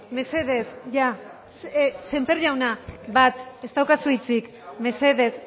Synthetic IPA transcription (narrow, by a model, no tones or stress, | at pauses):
me̞se̞ðe̞sʝa | se̞mperʎawnaβat̪e̞st̪awkasuit͡sik | me̞se̞ðe̞s